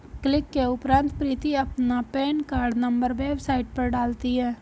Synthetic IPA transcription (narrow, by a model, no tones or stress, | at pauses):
klɪkːeʊpɾãːnt̪pɾiːt̪iɐpnapɛːnkaːɾɖnɐ̃mbəɾʋeːbsaːɪʈ̚pɐɾɖaːlt̪iɦɛː